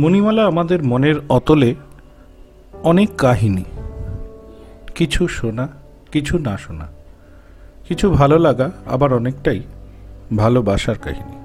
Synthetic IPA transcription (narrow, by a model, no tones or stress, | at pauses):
monimalaamad̪eɾmoneɾɔt̪ole | ɔnekːaɦini | kit͡ɕʰuʃona | kit͡ɕʰunaʃona̰ | kit͡ɕʰubʱalolaɡaa̰baɾɔnekʈaj | bʱalobaʃaɾka̰ɦini